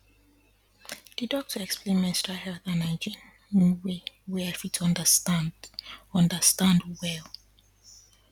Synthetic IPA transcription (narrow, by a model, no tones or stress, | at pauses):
d̥idɔk̚tʰəɛksplẽnmɛ̃nstɹahɛlθãnaɪd͡ʒĩn | wiwɛɛfitʰʌ̃ndə | ʌ̃ndəstãndwɛlˠ